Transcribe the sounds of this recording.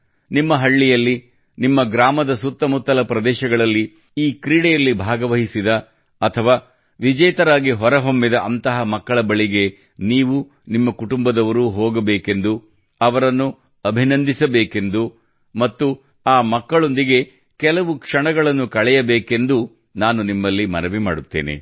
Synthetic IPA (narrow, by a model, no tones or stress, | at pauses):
nimːɐɦɐɭːijɐlːi | nimːɐɡɾaːmɐd̪ɐsut̪ːɐmut̪ːɐlɐpɾɐd̪ɛːʃɐɡɐɭɐlːi | iːkɾiːɽɛjɐlːibʱaːɡɐʋɐɦisid̪ɐ | ɐt̪ʰɐʋaː | ʋid͡ʒɐjt̪ɐɾaːɡiɦɔɾɐɦo̞mːid̪ɐʔɐnt̪ɐɦɐmɐkːɐɭɐbɐɭiɡe̞ | niːʋu | nimːɐkuʈumbɐd̪ɐʋɐɾuːɦoːɡɐbeːke̞nd̪u | ɐʋɐɾɐnːu | ɐbʱinɐnd̪ʱisɐbeːke̞nd̪u | mɐt̪ːu | aːmɐkːɐɭo̞nd̪iɡe̞ | kɛlɐʋukʂɐɳɐɡɐɭɐnːukɐɭɛjɐbeːke̞nd̪u | naːnunimːɐlːimɐnɐʋimaːɽut̪ːḛːnḛ